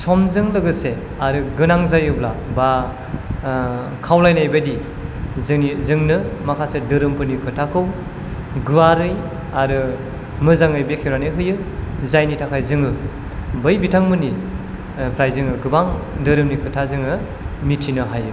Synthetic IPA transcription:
sɔmzɯŋlɯɡɯse | aɾɯɡɯnaŋzajɯblaba | kʰawlajnajbadi | znizɯŋnɯmakʰasedɯɾɯmpʰɯnikʰɯtʰakʰɯw | ɡɯwaɾɯj | aɾɯ | mɯzaŋɯjbekʰewɾanɯɦɯjɯzajnitʰakʰajzɯŋɯ | bɯjbitʰaŋmɯni | pʰɾajzɯŋɯɡɯbaŋdɯɾɯmnikʰɯtʰazɯŋɯ | mitʰinɯɦajɯ

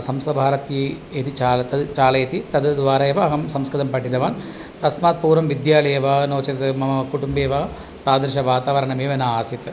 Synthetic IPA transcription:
sɐmst̪ɐbʱaːɾɐt̪i | et̪it͡ʃaːlɐt̪ɐd̪t͡ʃaːlɐjɐt̪it̪ɐd̪d̪ʋaːɾɐjɐʋɐɐɦɐmsɐmskɐd̪ɐmpɐʈːid̪ɐʋaːn | t̪ɐsmaːt̪̚puːɾʋɐmʋid̪jaːlɐːɐʋanoːt͡ʃɐt̪ɐt̪mɐɐkuʈumbeːʋɐ | t̪aːd̪ɐɾʃɐʋaːt̪aːʋɐɾɐɳɐmeːʋɐnɐaːsit̪ɨ

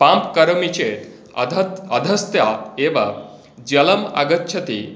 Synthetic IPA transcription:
pãmpkɐɾmit͡ɕet̪ | ɐd̪ʱɐst̪jaeʋa | d͡ʑɐləma̰ɡətːt͡ʃʰɐt̪i

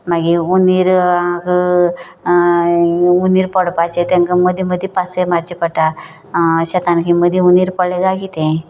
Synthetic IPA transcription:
maɡiuniɾaɡ | uniɾpɔɽpat͡ɕet̪ẽŋkəməd̪ʱeməd̪ʱːepasemaɾt͡ɕipəʈa | ɕɛt̪ankiməd̪ʱjeuniɾpɔɭeɡakit̪ẽ

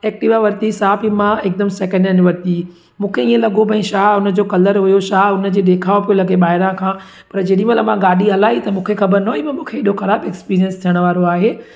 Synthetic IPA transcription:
ɛːk̚ʈɪʋaʋɐɾt̪isaːpimãek̚d̪ɐmsɛːkə̃ɳɖjunɪʋɐɾt̪i | mũːkʰeiːẽlɐɡobɐ̃ĩʃaːɦʊnə̆d͡ʑoːkɐləɾɦʊjoʃaːɦʊnə̆d͡ʑeːd̪eːkʰaːʋopijolɐɡeɓaːɦɪɾãkʰãː | pɐɾd͡ʑeɗĩmẽlɐmãɡaːɗiɦɐlaːit̪ɐmũːkʰexɐbəɾnoimɐ̃mũːkʰeɪɗoxɐɾaːbɛkspiːɾijənst̪ʰijəɽ̃̆ʋaːɾoaːɦeː

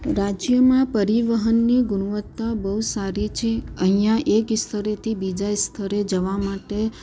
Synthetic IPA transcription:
ɾad͡ʒjəmãpəɾiʋəɦənːiɡʊɳuʋət̪ːabəɦusaɾit͡ʃʰeəɦĩjãʔekst̪ʰəɾet̪ʰibid͡ʒast̪ʰəɾed͡ʒəʋamaʈe

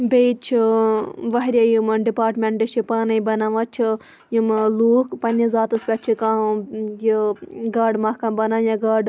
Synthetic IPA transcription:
bejt͡ʃʰiʋɐɦɾʲajimɖipaːɾʈmʲeɳʈɨʃʰipaːnɐjbɐnaʋɐt͡ʃʰi | jimluːkpɐnizaːt̪ɨspʲɐt͡ʃʰikajiɡaːɖmɐhkɐmbɐnaːjɐɡaːɖ

